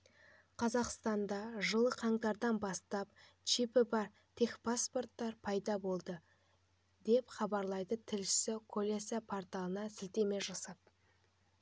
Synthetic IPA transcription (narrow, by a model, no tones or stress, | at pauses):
qʰɑzɑqst̪ɑnd̪ɑʒəlˠəqʰɑɴt̪ɑɾd̪ɑnbɑst̪ɑp̚ | t͡ʃipɪbɑɾ | t̪ʰexpʰaspo̞rt̪ːɑɾpʰɑjd̪ɑbo̞lˠd̪ə | d̪e̞pχɑbɑɾlˠɑjd̪ət̪ʰɪlʃɪ̥sɪkʰolʲesapʰoɾt̪alˠənɑsɪlt̪e̞me̞ʒɑsɑp̚